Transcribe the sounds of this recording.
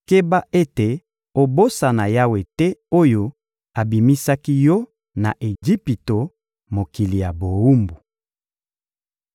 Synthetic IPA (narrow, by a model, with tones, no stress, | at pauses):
ke˦ba˦e˦te˨ | o˨bo˦sa˨na˨ja˦we˨tɛ˦o˦jo˦ | a˨bi˨mi˦sa˦ki˦jɔ˦ | na˨ʔe˨d͡ʒi˦pi˨to˨ | mo˨ki˨li˨ja˨bo˨u˦mbu˨